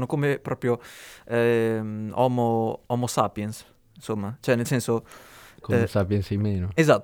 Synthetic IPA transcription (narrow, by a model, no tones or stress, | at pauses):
nokomepɾɔːpɾjoɛmɔmoɔmosapjɛns | insomːat͡ʃoɛnelsɛnsokosapjɛnsemeːnoezat̪ː